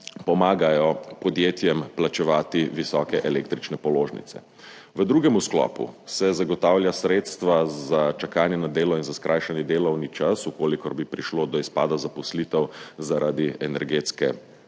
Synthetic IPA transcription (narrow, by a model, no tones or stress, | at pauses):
pɔmaːɡajɔpɔd̪jeːt̪jɛmplat͡ʃɛʋaːt̪iʋisɔːkɛʔɛleːkt̪ɾit͡ʃnɛpɔloːʒnḭt̪sɛ̰ | ʋəd̪ɾuːɡɛmusklɔ̰ːpṵsɛzaɡɔt̪aːwljasɾeːt̪st̪ʋazat͡ʃakaːnjɛnad̪eːlɔinzaskɾʔaːjʃanjɛd̪eːlɔwnit͡ʃasukoːlikɔɾbipɾiʃloːd̪ɔispa̰ːd̪azapɔslit̪ɛwzaɾad̪iɛnɛɾɡeːt̪skɛ̰